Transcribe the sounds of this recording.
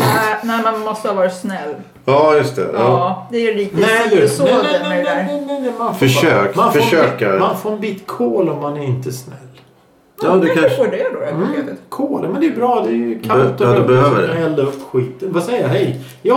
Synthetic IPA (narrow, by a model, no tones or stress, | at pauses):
næɪmanmɔst̪əhavɑːɾsnɛlː | ɑːjɵst̪ɛ̰ɑːd̪ɛæliːknɛd̪soɛɛnɛnɛmafœʂøːkmanfəʂøːkamanfoːɾɛnbiːt̪kʰoːlɔmːanæɾɪnt̪əsnɛ̰lː | ɑd̪ɛkaɔɖɛd̪oet̪ɪkʰoːlmɛnd̪ɛjəbɾɑːd̪ɛjkʰalt̪ɔd̪ɛbɛhøːvə̰ɖɛɛlːaɵpːɧiːt̪ənvasɛjːaɦɛj | jɑː